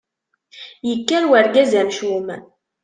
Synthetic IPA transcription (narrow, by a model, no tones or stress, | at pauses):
jəkːæɾwæɾɡæzæmʃum